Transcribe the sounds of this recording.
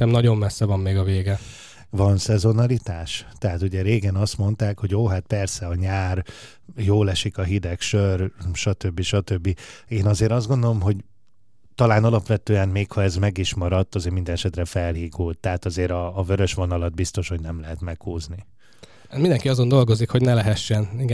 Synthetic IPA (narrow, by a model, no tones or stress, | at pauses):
ɛmnɒɟo̞mmɛsːɛvɒmːeːɡɒveːɡɛ | vɒnsɛzo̞nɒlit̪aːʃt̪ɛɦaːt̪uɟɛɾeːɡɛnɒst̪mo̞n̪t̪aːkho̞ɟoːɦat̪̚pɛrsɛɒɲaːr | joːlɛʃikɒɦid̪ɛkʃørʃɒt̪ø̞bːiʃɒt̪øbːieːnɒzeːɾɒzd̪ɡond̪o̞lo̞mɦo̞ɟ | t̪ɒlaːnɒlɒpʋɛt̪øːɛnmeːkhɒɛzmɛɡiʃmɒɾɒt̪ːɒzeːɾmind̪ɛnɛʃɛt̪rɛfɛlɦiːɡuːlt̪ːɛɦat̪ɒzeːɾɒːvøɾø̞ʃʋo̞nɒlɒd̪̚bist̪o̞ʃho̞ɟnɛmlɛɦɛt̪mɛkhuːzni | mind̪ɛŋkiɒzo̞nd̪o̞lɡo̞zikho̞ɟnɛlɛɦɛʃːɛniɡ